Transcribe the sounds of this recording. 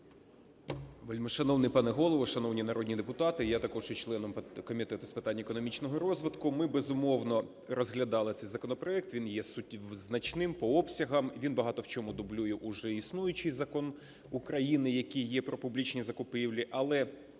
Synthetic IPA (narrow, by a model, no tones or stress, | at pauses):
ʋɪlʲmɔʃɐnɔwnɪjpɑnɛɦɔlˠɔʋɔʃɐnɔwnʲinɐɾɔdʲnʲid̪epʊt̪ɑt̪ɪjat̪ɐkɔʒjɛt͡ʃlˠɛnɔmkɔmʲit̪ɛt̪ʊspɪt̪ɑnʲːɐekɔnɔmʲit͡ʃnɔɦɔɾɔzʋɪd̪kʊmɪbezʊmɔwnɔ | rɔzɦlʲɐd̪ɑlˠɪt̪sɛjzɐkɔnɔpɾɔɛk̚t̪ʋʲinjɛsʊtʲznɐt͡ʃnɪmpɔɔpsʲɐɦɐmʋʲinbɐɦɑt̪ɔwt͡ʃɔmʊd̪ʊblʲujɛʔʊʒɛisnujʊt͡ʃɪjzɐkɔn | ʊkɾɐjinɪjɐkijjɛpɾɔpʊblʲit͡ʃnʲizɐkʊpɪwlʲiʔɐlˠɛ